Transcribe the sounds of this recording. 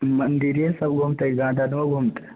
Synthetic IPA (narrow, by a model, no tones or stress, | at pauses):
mɐnd̪iɾjesɐb̚ɡʱumt̪eɡãːɖʱanuʋɐɡʱumt̪e̥